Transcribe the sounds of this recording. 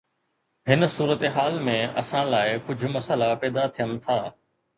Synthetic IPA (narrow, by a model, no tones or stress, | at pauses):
ɦɪnsuːɾət̪ɦaːlmẽɐ̰sãlaːɪkʊd͡ʑʱʊ̆mɐsəlapɛːd̪at̪ʰijən̆t̪ʰaː